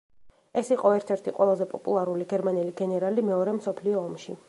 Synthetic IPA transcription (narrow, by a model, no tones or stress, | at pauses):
ɛsiqʼɔɛɾt̪ʰɛɾt̪ʰiqʼwɛlˠazɛpʼɔpʼulˠaɾuliɡɛɾmanɛliɡɛnɛɾalimɛɔɾɛmsɔpʰliɔːmʃi